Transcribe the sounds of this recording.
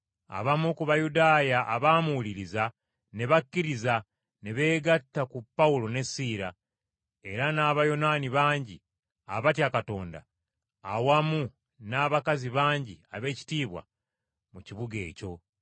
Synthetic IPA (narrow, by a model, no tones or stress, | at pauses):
a̰βamukuβajudaːjaʔːβaːmuuliɾiza | ne̞βakːiɾiza | ne̞βe̞ːɡatːakupːaulo̞ne̞siːɾa | e̞ɾanaːβajo̞naniβaːɲɟi | aβatjakato̞ːnda̰ː | wamu | naːβakaziβaːɲɟiaβe̞ːci̥tiːβwa̰ | muciβuɡe̞̰ːco̞